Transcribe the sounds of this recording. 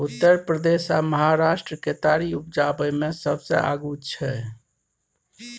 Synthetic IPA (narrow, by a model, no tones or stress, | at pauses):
ut̪ːəɾpɾəd̪esaməɦaɾasʈɾəket̪aɾiup̚d͡ʒabəjmesəbsə̰a̰ɡut͡ʃʰɛ